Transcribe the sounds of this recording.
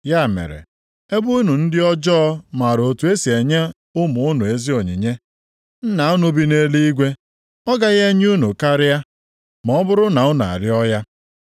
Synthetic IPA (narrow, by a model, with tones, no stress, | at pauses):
ja˦˨mḛ˨ɾḛ˨ | e˦bu˦nu˨n̩˦dɪ˦ɔ˦d͡ʒɔ˦ma˨ɾo˨tu˨˦e˦si˨e˨ɲe˦ | ʊ˦mʊ˨ʊ˦nʊ˨e˨zi˦o˨ɲḭ˨ɲe˦ | n̩˦na˨˦ʊ˦nu˨bi˦ne˦li˦i˦ɡʷe˦ | ɔ˦ɡa˦ɣe˦ɲ˦u˦nu˨ka˦ɾɪ˦ja˦ | mɔ˨ɔ˦bʊ˦ɾʊ˦na˨ʊ˦n˨a̰˨ɾɪ˦ɔ˦ja˦